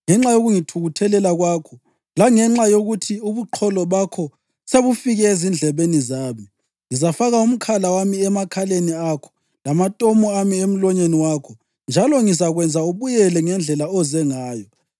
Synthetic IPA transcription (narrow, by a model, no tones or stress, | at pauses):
ŋɛŋ͡ǁajoɣuŋitʰuɣutʰɛlɛlaɣwaːkʰɔ | laŋɛŋ͡ǁajoɣutʰiuβuǃʰɔlɔβakʰɔ | seβufiɣɛezind͡ɮʱɛβenizaːmi | ŋizafaɣaum̩kʰalawamiɛmakʰaleniakʰɔ̥ | lamatʼɔmɔamiem̩lɔɲeniwakʰɔ | nd͡ʒʱalɔŋisaɣwɛnd͡zʱauβujɛlɛŋɛnd͡ɮʱɛlaɔzɛŋaːjɔ